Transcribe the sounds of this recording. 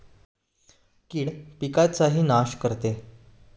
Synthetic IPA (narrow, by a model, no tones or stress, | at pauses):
kiːɽpikat͡saɦiːnaɕkəɾt̪e